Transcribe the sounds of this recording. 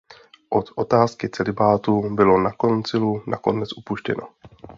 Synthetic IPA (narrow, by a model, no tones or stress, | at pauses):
ʔot̪ʔo̞t̪aːskɪt͡sɛlɪbaːt̪ubɪlo̞nako̞nt͡sɪlunʔa̰ko̞nɛt͡sʔupuʃcɛ̰no̞̰